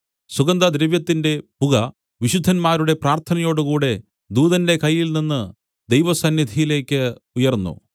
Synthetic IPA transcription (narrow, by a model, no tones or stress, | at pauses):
suɡɐnd̪ɐd̪ɾeʋjɐt̪ːinde̞puɣɐ | ʋiɕud̪ʱːɐnmaːɾuɽe̞praːrt̪ʰɐnɐjo̞ːɽɨkuːɽe̞ | d̪uːðɐnde̞kɐjːilninːɨ | d̪ejʋɐsɐnːid̪ʱijile̞ːkʲːɨujɐrnːṵ